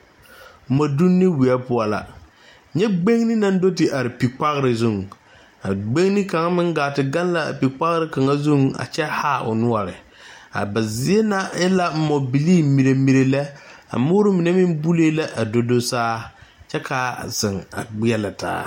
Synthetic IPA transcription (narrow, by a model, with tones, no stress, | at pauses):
m̩˨mɔ˨du˦nːe˦wi˨a˦pʊ˦a˨la̰˨ | ɲɛ˦ɡ͡be˦ŋnɪ˦na˦n˦do˦tɪ˨ʔa˨ɾɪ˨pi˨k͡pa˦ɣɪ˦ɾɪ˨zʊ˦ŋ˨ | a̰˨ɡ͡be˦ŋnɪ˦ka˨ŋa˦mɪ˦ŋɡaː˨tɪ˨ɡa˦n˦la˦a̰˨pi˨k͡pa˦ɣɪ˦ɾɪ˦ka˨ŋa˦zʊ˦ŋa̰˨t͡ʃɛ˦haː˦ʔʊ̰˨nʊ˦a˨ɾɪ̰˨ | a̰˨ba˨zɪ˦e˦na˦ɛ˦la˦m̩˨mɔ˨bi˨liː˦mi˨ɾe˨mi˨ɾe˨lɛ˦a̰˨mʊː˦ɾʊ˦mɪ˨nɛ˦mɪ˦mbu˦leː˦la˦ʔa˨do˦do˦saː˦t͡ʃɛ˦kʰa˨z̥ɪ˨ŋa̰˨ɡ͡bɪ˦ɛ˦la˨ta̰ː˦